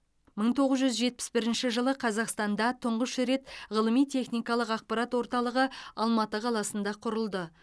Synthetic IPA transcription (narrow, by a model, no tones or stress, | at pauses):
məɴt̪ʰo̞ʁəzʒʏzʒe̞t̪̚pɪ̥sbɪɾɪnʃɪʒəlˠəqʰɑzɑqst̪ɑnd̪ɑt̪ʰʊɴʁəʃɾe̞t̪ʁəlˠəmijt̪ʲʰe̞χnijkɑlˠəqɑq̚pɑɾɑt̪wo̞ɾt̪ɑlˠəʁəɑlˠmɑt̪əqʰɑlˠɑsənd̪ɑqʰʊɾəlˠd̪ə